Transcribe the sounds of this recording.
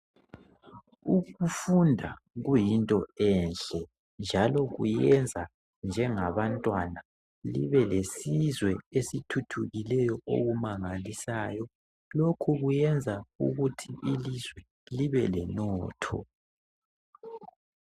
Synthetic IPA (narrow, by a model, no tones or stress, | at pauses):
uɣufundʱa | ɣujintʼɔɛnɬɛ | nd͡ʒʱalɔɣṵjɛnd͡zʱa | nd͡ʒʱɛŋaβantʼwana | lḭβɛlesizwɛesitʰutʰuɣilɛjɔʔo̰ɣumaŋalisaːjɔ | lokʰuɣujɛnd͡zʱaṵɣutʰiʔilizwɛ | liβɛlɛnɔːtʰɔ̰